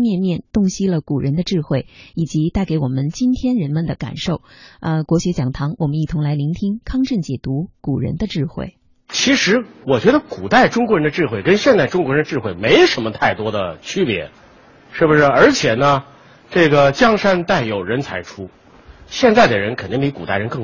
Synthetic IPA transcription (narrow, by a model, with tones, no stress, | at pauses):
mjɛ˥˧nmjɛ˥˧nt̪ʊ˥˧ŋɕi˥lə˨ku˨˩ɻə˧˥nd̪ə˧ʈ͡ʂɻ̩˥˧xwe˥˩ɪi˨˩t͡ɕi˧˥t̪a˥˩ɪke˧˥ɪwɔ˨˩mə˦nt͡ɕi˥nt̪ʰjɛ˥nɻə˧˥nmə˨nd̪ə˨˩ka̰˨˩nʂo˥˩ʊə˧kwɔ˧˥ɕɥɛ˧˥t͡ɕjɑ˨˩ŋt̪ʰɑ˧˥ŋwɔ˨˩mə˦ni˥˩t̪ʰʊ˧˥ŋla˧˥ɪli˧˥ŋt̪ʰi˥ŋkʰɑ˥ŋʈ͡ʂə˥˩nt͡ɕjɛ˨˩t̪u˧˥ku˨˩ɻə̰˧˥nd̪ə˧ʈ͡ʂɻ̩˥˧xwḛ˥˩ɪ | t͡ɕʰi˧˥ʂɻ̩˧˥wɔ˨˩t͡ɕɥɛ˧˥d̪ə˧ku˨˩t̪a˥˩ɪʈ͡ʂʊ˥ŋkwɔ˧˥ɻə˧˥nd̪ə˧ʈ͡ʂɻ̩˥˧xwe˥˩ɪkə˥nɕjɛ˥˧nt͡sa˥˩ɪʈ͡ʂʊ˥ŋkɔ˧˥ɻə˧˥nə˧ʈ͡ʂɻ̩˥˧xwe˥˩ɪme˧˥ɪʂə˧˥mə˧t̪ʰa˥˩ɪt̪wɔ˥d̪ə˨t͡ɕʰy˥pjɛ̰˧˥ | ʂɻ̩˥˩bu˩ʂɻ̩˥˩ə˞˧˥t͡ɕʰjɛ˨˩nə˦ | ʈ͡ʂɤ˥˩ɡə˩t͡ɕjɑ˥ŋʂa˥nt̪a˥˩ɪjo˨˩ʊɻə˧˥nt͡sʰa˧˥ɪʈ͡ʂʰu˥ | ɕjɛ˥˧nt͡sa˥˩ɪd̪ə˩ɻə˧˥nkʰə˨˩nt̪i˥˩˧pi˧˥ku˨˩a˥˩ɪɻə˧˥nkɤ˥˩